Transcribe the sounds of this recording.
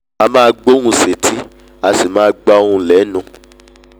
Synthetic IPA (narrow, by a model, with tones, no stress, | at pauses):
a˧mãː˦ɡ͡bo˦hũ˦˧se˨tʰi˦ | a˧si˨mãː˦ɡ͡ba˦o˦ũ˧˨lɛ˨˦nũ˧˨